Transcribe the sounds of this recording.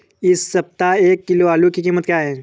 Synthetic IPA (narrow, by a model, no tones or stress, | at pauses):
ɪsːɐp̚t̪aeːkːɪloːaːlukikiːmət̪kjaːɦɛ̃ː